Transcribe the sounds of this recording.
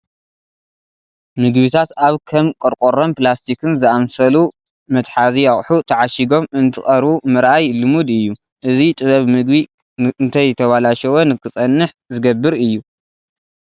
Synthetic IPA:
mɨɡβit̪ʰat̪aβkʰɐmkʼɐɾkʼoɾomplast̪ʰikʰɨnzɨamsɐlu | mɐt̪ħaziaχʼħut̪ʰɐʕaʃiɡo̞mɨnt̪ʰɨχʼɐɾβumɨɾʔajlɨmud̪ɨjːu | ʔɨzit̪ʼɨβɐβmɨɡbi | ɨnt̪ʰɐjt̪ʰɐβalaʃɐwonɨkʰɨt͡sʼɐnːɨħ | zɨɡɐbːɨɾɨjːu

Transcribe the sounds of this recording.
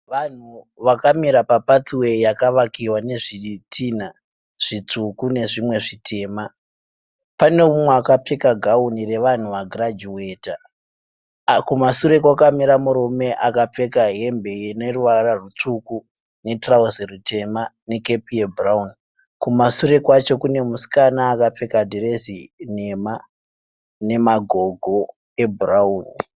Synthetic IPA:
ʋan̤u | ʋakamiɾapapat͡siwe̞jakaʋakiwane̞ʐitʰiːn̤a | ʐ̥it͡sukune̞ʐimwe̞ʐitʰe̞ːma | pane̞mumweakap͡fekaɡʱaunire̞ʋan̤uʋaɡʱrad͡ʒuwe̞ːta | kumasuɾe̞kwakamiɾamuɾome̞ʔakap͡fe̞kaɦe̞mbe̞jeneruʋararut͡ʂuku | ne̞trausirute̞mane̞ke̞pijeburaun | kumasuɾe̞kwat͡ʃo̞kune̞musi̥kanaːkap͡fe̞kadʱirezine̞ma | ne̞maɡʱo̞ɡʱo̞ | ebʱrauːni

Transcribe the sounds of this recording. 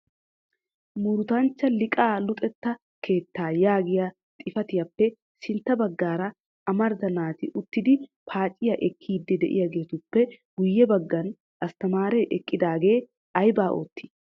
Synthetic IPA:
mʊɾʊt̪ɐnt͡ʃːɐlɪkʼaːlʊt̪ʼɛt̪ːɐ | kʰe̞ːt̪ːaːjaːɡɪja | t̪ʼɪfɐt̪ɪjɐpːɛ | sɪnt̪ːɐbɐɡːaːɾɐ | ɐmɐɾd̪ɐnaːt̪ɪʔʊt̪ːɪd̪ɪpʰaːt͡ʃʼːɪjɐʔɛkʰːiːd̪ːɛd̪ɛʔɪ̰jɐɡe̞ːt̪ʊpːɛ | ɡʊjːɛbɐɡːɐn | ʔɐst̪ɐmaːɾɛʔɛkʼːɪd̪aːɡe̞ː | ɐjbaːʔo̰ːt̪ːi̥

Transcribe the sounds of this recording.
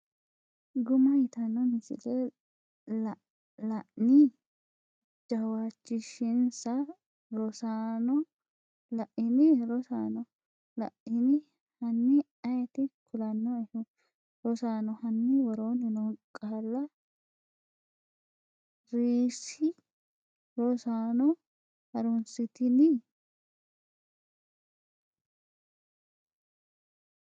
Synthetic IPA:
ɡʊmɐjɪt̪ɐnːɔmɪsɪ̰lɛ | l | lɐʔnɪ | d͡ʒɐwat͡ʃːɪʃɪnsɐ | ɾɔsaːnɔ | lɐʔɪnɪɾɔsaːnɔ | lɐ̰ʔɪnɪ | hɐnːɪ | ɐjɛt̪ɪkʰʊlɐnːɔɛhʊ | ɾɔsaːnɔhɐnːɪwɔɾoːnɪnɔŋkʼːaːlːɐ | ɾiːsɪ | ɾɔsaːnɔ | hɐɾʊnsɪt̪ɪnɪ

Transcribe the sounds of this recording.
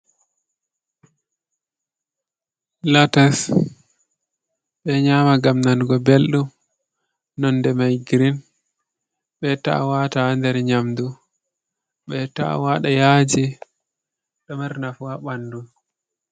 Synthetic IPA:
latas | ɓɛɲaːmaɡamnanɡɔbelɗum | nɔndɛmajɡɾin | ɓɛta̰watandɛɾɲamdu | ɓɛta̰waɗajaːd͡ʒi | ɗɔmaɾnafuaɓandu

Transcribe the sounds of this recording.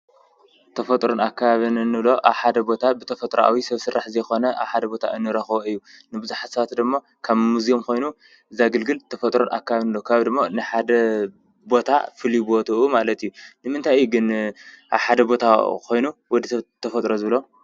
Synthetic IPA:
t̪ʰɐfɐt̪ʼɾonakʰːaβaβɨnɨnːɨβlo̞ʔa̰βħad̪ɐbo̞t̪ʰabɨt̪ʰɐfɐt̪ʼɾoʔa̰wisɐβsɨɾːaħzɐjxo̞nɐʔa̰βħad̪ɐbo̞t̪ʰa̰ʔɨnːɨɾɐxboɨjːunɨbɨzuħat̪sɐβat̪d̪ɨmːo | kʰaβmuzijomkʰo̞jnu | ʔɨzaɡɨlɡɨlt̪ʰɐfɐt̪ʼɾonʔa̰kːaβaβinːɨlokʰaβd̪ɨmːonɨħad̪ɐ | bo̞t̪ʰa̰fɨlibot̪ʰɐʔumalɐt̪ʰɨijːunɨmɨnt̪ʰajuɡɨnʔa̰βħad̪ɐbo̞t̪ʰakʰo̞jnuwɔd̪iɐt̪ʰːɐfɐt̪ʼɾozɨβɨlo

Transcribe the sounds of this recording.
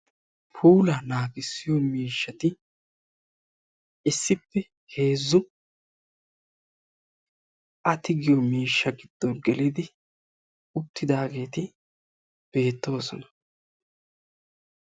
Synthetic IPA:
pʰuːlɐnaːɡɪsːɪjɔmiːʃːɐt̪ɪ | ɪsːɪpːɛ | he̞ːzːʊ | ʔɐt̪ɪɡɪjɔmiːʃːɐɡɪd̪̥ːɔnɡɛlɪd̪ɪ | ʊt̪ːɪd̪aːɡe̞ːt̪ɪ | b̥e̞ːt̪ːo̞ːsɔnɐ̥

